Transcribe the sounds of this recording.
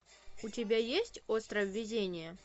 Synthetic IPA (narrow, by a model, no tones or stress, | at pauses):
ʊtʲɪbʲajesʲtʲost̪ɾəvʲːɪdʲenʲɪjə